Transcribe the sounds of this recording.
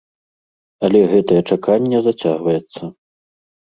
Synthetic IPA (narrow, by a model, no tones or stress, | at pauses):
ɐlʲɛɣɛt̪ɐjɛt͡ʂakʰanʲːɛzat͡sʲaɣvɐjɛt̪sːɐ